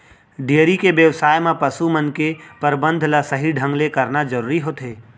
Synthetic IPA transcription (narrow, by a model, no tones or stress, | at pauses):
ɖijəɾikebjəʋsaːjmãpəsumənkepəɾbə̃nd̪ʱlasəɦiɖʱə̃ŋɡlekəɾnad͡ʒəɾuːɾiɦot̪ɦeː